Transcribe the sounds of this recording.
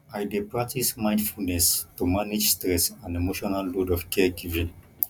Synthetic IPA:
ajdepɹak̚tismãj̃ndfulnɛstumanid͡ʒstɹɛsãnemoʃɔnalːodɔfkʰɛɡivĩn

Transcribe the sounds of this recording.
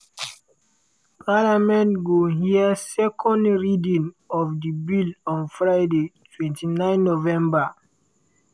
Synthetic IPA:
pʰalamɛ̃ntɡoɦiəsɛkʰɔ̃ndɹidĩn | ɔvdibilɔ̃nfɹaɪdetʰwɛ̃ntʰinãɪ̃nːovɛ̃mba

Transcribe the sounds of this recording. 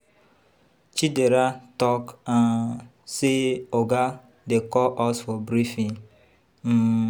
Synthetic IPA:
t͡ʃideɾatɔkan | seoɡa | dekɔʔɔsfɔbɾifĩŋ | m̩

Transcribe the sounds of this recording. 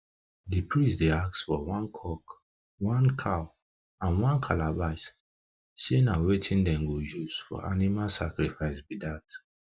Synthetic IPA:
dipɹisdeaksfɔwɔ̃nkʰɔk | wɔ̃nkʰaʊ | ãnwɔ̃nkʰalabas | senawetʰĩndɛ̃mɡojuz̥fɔ̰ʔanimalsakɾifaɪsbidat

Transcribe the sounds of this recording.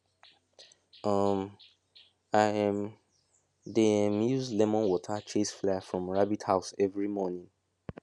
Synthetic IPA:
ʌm | aɪɛ̃m | deɛ̃mjuzlɛmɔ̃nwɔtʰət͡ʃʰesflaafɹɔ̃mɹabithaʊsɛvɹimɔnĩŋ

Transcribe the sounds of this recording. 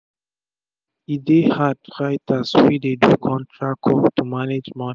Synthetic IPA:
idehadɹaɪtʰaswidedukʰɔ̃ntʰɹakʰɔtumaned͡ʒmɔni

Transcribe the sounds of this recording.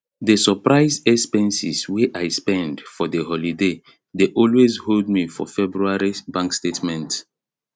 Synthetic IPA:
desɔpɹaɪzɛspɛ̃nsisweʔaɪspɛ̃ndfɔdəɦɔlide | deʔɔlwezhold̚mifɔ̰fɛbɹuaɹibãŋkstetmɛ̃nt

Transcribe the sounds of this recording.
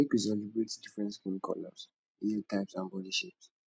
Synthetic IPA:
ekwis̬ɛlibɹetdifɹɛ̃ntkĩnikʰɔ̰lɔ̰s | iitʰaɪpsãnbɔdiʃips

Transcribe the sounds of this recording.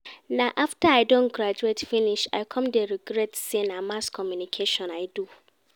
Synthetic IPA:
nãʔaftaaɪdõnɡɾad͡ʒuetfĩniʃa̰ɪkʰɔ̃mdeɾiɡɾɛtsenãmaskʰɔmjunikʰeʃɔ̃naɪdu

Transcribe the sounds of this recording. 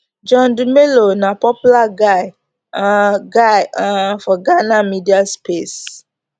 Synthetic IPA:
d͡ʒɔ̃ndumelonapɔpjulaɡaɪ | aɡaãfɔɡanamidiaspes

